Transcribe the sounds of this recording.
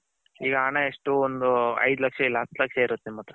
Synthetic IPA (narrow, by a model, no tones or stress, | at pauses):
iːɡɐaːɳɐeʂʈuond̪uɐ̰jd̪ulɐkʂɐilːɐɦɐt̪ːlɐkʂɐiɾut̪ːemaːt̪ɾɐ